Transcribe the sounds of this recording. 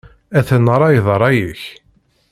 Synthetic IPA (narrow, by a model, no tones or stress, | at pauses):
æθənɾˤɑjðˤɾˤɑjiç